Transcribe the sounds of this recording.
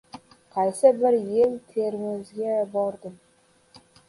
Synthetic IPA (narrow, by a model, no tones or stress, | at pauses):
qʰɑjsəbɪɾjelt̪ʰeɾmɪzɡʲebɑɾd̪əm